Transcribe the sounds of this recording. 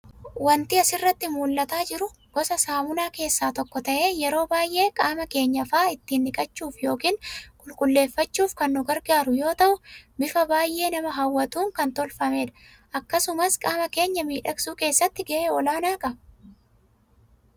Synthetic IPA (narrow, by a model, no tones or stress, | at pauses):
wɐnt̪ɪɐsɪrːɐt̪ːɪmuːlːɐt̪aːd͡ʒɪɾʊ | ɡ̥ɔsɐsaːmʊnaːke̞ːsːaːt̪ɔkːɔt̪ɐʔe̞ːjɛɾo̞ːbaːjʔe̞ːkʼaːmɐke̞ːɲːɐfaːɪt̪ːiːnːɪkʼɐt͡ʃːuːfjo̞ːkiːnkʼʊlkʼʊlːe̞ːfːɐt͡ʃːuːfkɐnːʊɡɐɾɡaːɾʊjo̞ːt̪ɐʔʊbɪfɐbaːjʔe̞ːnɐmɐɦɐwːɐt̪uːŋkɐnt̪ɔlfɐmeːᶑɐ̥ | ʔɐkːɐsʊmɐskʼaːmɐke̞ːɲːɐmiːᶑɐksuːke̞ːsːɐt̪ːɪɡɐʔeːɔlaːnaːkʼɐb